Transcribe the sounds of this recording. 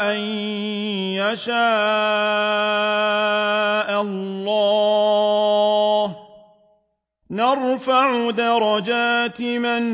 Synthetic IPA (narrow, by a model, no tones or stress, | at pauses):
ʔan | jaʃaː | ʔallːɑː | h | nɑɾˤfaʕʊd̪aɾˤɑd͡ʒaːt̪ɪman